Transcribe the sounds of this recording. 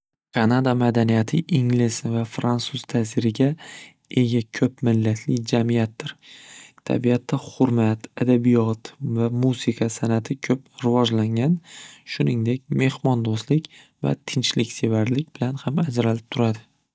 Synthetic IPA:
kʰɑnad̪amad̪anijat̪ʰɪʔɪŋlɪsvafɾansuz̥t̪ʰasɪɾɪɡʲa | e̞ɡʲakʲʰɵpmɪlːat̪ʰlɪd͡ʒamijat̪̚ːɪɾt̪ʰa̰bijat̪ʰːahʊɾmat̪ad̪abijɒt̪vamusɪkʰasanat̪ʰɪkʲʰɵpɾɪvɒd͡ʒlaŋʲanʃʊnɪŋd̪e̞kʲme̞hmɒnd̪ost̪lɪkʲ | va̰t̪ʰɪnt͡ʃlɪkʲsevaɾlɪkʲbɪlanhamad͡ʒɾalɪp̚t̪ʰʊɾad̪ɪ

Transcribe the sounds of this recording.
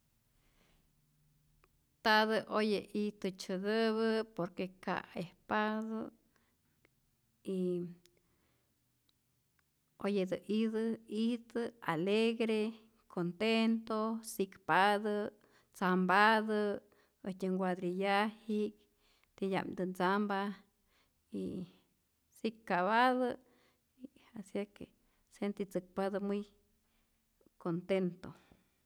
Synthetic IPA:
t̪ad̪ɨʔojeʔit̪ɨt͡ʃɨd̪ɨβəpoɾkeka̰espad̪o | i | ojed̪ɨʔid̪ɨid̪ɨaleɡɾe | kʰont̪ent̪osikpad̪ə | t͡sambad̪ə | ətʲeŋɡwad̪ɾijahik | t̪eja̰md̪ənt͡samba | i | sikkːaβaðə | iasjakḛ | sent̪it͡sɨk̚pad̪amuj | kont̪ent̪o

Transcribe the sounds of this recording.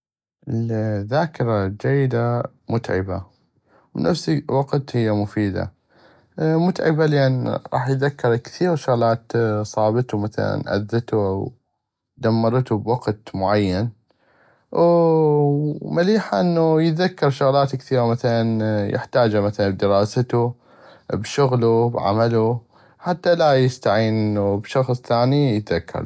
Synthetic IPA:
ʔɪlðaːkɪɾˤɑd͡ʒajːɪd̪a | mʊt̪ʕɪ̰ba̰ | wnʔafsiwɑqt̪hɪjːamʊfiːd̪a̰ | mʊt̪ʕɪ̰balʔanɾˤʔɑ̰ːħjt̪ðakːɑɾˤkθiːɾʃʊɣlaːt̪sˤɑːbɪt̪umaθa̰la̰nʔa̰ðːɪt̪uʔaw | d̪amːɑɾˤt̪ubwaɡt̪mʊʕajːan | maliːħaʔɪnːujɪt̪ðakːɑɾˤʃʊɣlaːt̪kθiːɣamaθalanjɪ̰ħt̪aːd͡ʒamaθalanbd̪ɪɾɑːsat̪u | bʃʊɣlubʕa̰malu | ħat̪ːalajɪst̪aʕiːnʔɪnːubʃɑxsˤθaːnijət̪ðakːɑ̰ɾˤ

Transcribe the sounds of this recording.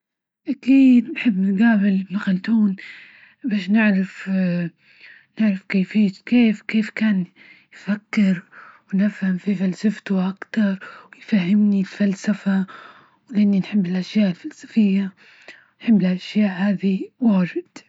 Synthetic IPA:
ʔakiːd̪nħɪbːɪnɡaːbɪlmaxalt̪uːn | baːʃnɪʕɾaf | nɪʕɾafkeːfiːt̪keːfkeːfkaːn | jfakːɪɾwnɪfhamfifalsaft̪ʊʔakt̪ɑɾˤwɪjfahːɪmnilfalsafa | wlɪʔanːinħɪbːɪlʔaʃjaːʔɪlfalsḁfɪjːa | nħɪbːɪlʔaʃjaːʔhaːd̪iwaːʒɪd̪̥

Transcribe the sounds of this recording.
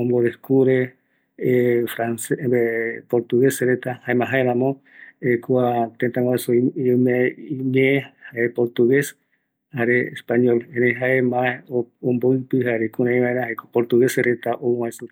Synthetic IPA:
õmboɾeskuɾe | fɾanseepoɾt̪uɣesɾet̪ahaemãɦaeɾãmõ | ekuat̪ent̪ãŋaesomeiɲẽẽhaepoɾt̪uɣes | haɾeḛspaɲolẽɾẽɦaemaoomboɨpɨɦaɾekuɾãĩβãeɾãhaekopoɾt̪uɣeseɾet̪aʔowaesu

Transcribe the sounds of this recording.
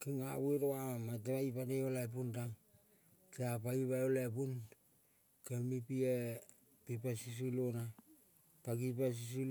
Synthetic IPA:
kiŋaweɾoaamat̬eβaipaneolaep̬untaŋ | keapaiβaolepun | kemipie | pipasis̬ilona | paɡipas̬is̬il

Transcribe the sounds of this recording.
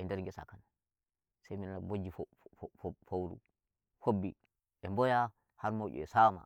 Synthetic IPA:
ɛndɛɾŋɡɛsa̰kana | sajminanabod͡ʒifo | fowɾṵ | fobːi | ɛmbɔja | haɾmoʔṵɛsama̰

